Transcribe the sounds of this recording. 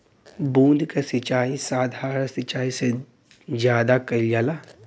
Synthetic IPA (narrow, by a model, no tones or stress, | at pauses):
bũːd̪ʱkasɪt͡ʃaːisaːd̪ʱaːɾsɪt͡ʃaːise | d͡ʒjaːd̪akɐljaːlaː